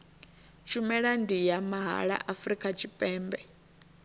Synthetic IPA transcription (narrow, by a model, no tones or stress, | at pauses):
t͡ʃʰumɛɺandijamaɦa̰ɺa̰ʔafɾikʼat͡ʃʰipʼɛːmbɛ